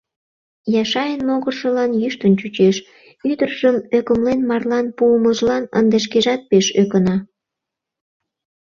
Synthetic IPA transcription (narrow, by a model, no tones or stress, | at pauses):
jɑʃɑjənmoɣərʃəlɑnjyʃt̪ənt͡ɕut͡ɕeʃ | yd̪ərʒ̥əmøkəmlenmɑrlɑnpuməʒlɑnə̰nd̪eʃ̬keʒɑt̪̚peʃøkənɑ